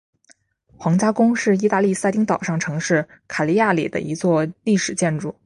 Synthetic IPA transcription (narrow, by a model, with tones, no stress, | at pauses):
xwɑ˧˥ŋt͡ɕja˥kʊ˥ŋʂɻ̩˥˩i˥t̪a˥˧li˥˧sa˥˧ɪt̪i˥ŋt̪ɑ˨˩ʊʂɑ˥˩ŋʈ͡ʂʰɤ˧˥ŋʂɻ̩˥˩ | kʰa˨˩li˧˥ja˥˩lḭ˨˩d̪ə̰˦ʔi˧˥t͡swɔ˥˧li˥˩ʂɻ̩˨˩t͡ɕjɛ˥˧nʈ͡ʂu˥˩